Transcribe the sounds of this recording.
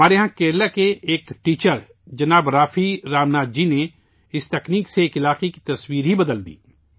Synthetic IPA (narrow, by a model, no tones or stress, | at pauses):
aːɾeɦãkeːɾlakeeːkʈiːt͡ʃəɾ | d͡ʒɐnaːbɾaːfiɾaːmnaːd̪̚d͡ʒiːne | ɪst̪ɛkniːkseːkɪlaːqeki̥t̪ɐswiːɾɦibɐd̪əld̪ḭː